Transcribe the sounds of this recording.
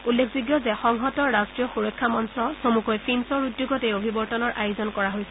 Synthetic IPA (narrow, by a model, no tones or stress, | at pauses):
ulːekʰziɡjɔzɛxɔŋɦɔtɔɹːastɹijɔxuɹɔkʰːamɔnsɔsomukɔjpʰinsɔɹudjoɡɔtejobʱibɔɹtɔnɔɹʔajʊzɔnkɔɹaɦojsɛ